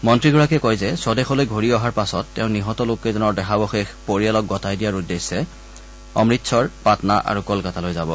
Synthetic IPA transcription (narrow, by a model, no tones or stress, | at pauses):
mɔntɹiɡɔɹakɛkɔjzɛsɔdɛxɔlojɡʱoɹiɔɦaɹpasɔtːɛʊ̃niɦɔtɔlokːɛzɔnɔɹdɛxabɔxexpoɹialɔk̚ɡɔtajdijaɹudesːɛ | ɔ̰mɹitsʰɔɹpatnaʔa̰ɹukɔlkatalojzabɔ